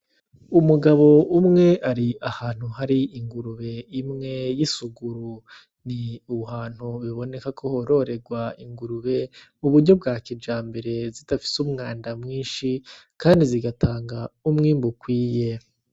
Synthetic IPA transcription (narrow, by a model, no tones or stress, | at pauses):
umuɡaβo̞umŋe̞ʔaɾiahaːn̥huhaɾiiŋɡuɾuβe̞imŋe̞jisuɡuɾu | niuhaːn̥huβiβo̞ne̞kakʰo̞hoɾo̞ɾe̞ɡwaiŋɡuɾuβe̞uβuɾɟo̞b̚ɡaːkid͡ʒaːmbe̞ɾe̞zitafi̥sumŋaːndamŋiːnʃikaːndiziɡataːŋɡaumŋiːmbukwiːje̞